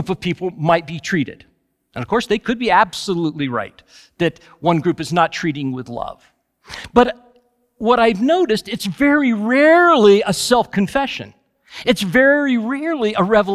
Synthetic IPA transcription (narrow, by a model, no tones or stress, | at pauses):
pʌv̥pʰipl̩ˠmaɪt̚b̥itʰɹ̥iɾɨ̰d̥ | ɨ̃nʌv̥kʰɔɹsðeɪkʰɨd̚biæb̥səlutˡliɹa̰ɪt̪̚ | ðɨt̚ | wʌ̃nɡɹʉpɨznətʰɹ̥iɾɪ̃ŋwɪðlʌ̰v̥ | b̥ʌt | wʌɾaɪvnoʊɾɨstɨtsvɛɹiɹɛɹliəsɛlˠfkʰɨ̃ɱfɛʃɨ̰̃n | ɨtsvɛɹiɹɛɹlˠiʔəɹɛvə